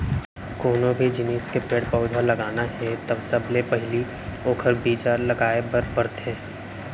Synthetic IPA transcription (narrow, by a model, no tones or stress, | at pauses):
koːnõbʱid͡ʒɪniːskepeːʈpəːd̪ʱalɐɡaːnaɦɛ̃t̪ɐbsɐblepɐɦɪli | oːkʰəɾbiːd͡ʒaːɾlɐɡaːebəɾbɐɾt̪ɦɛ̃ː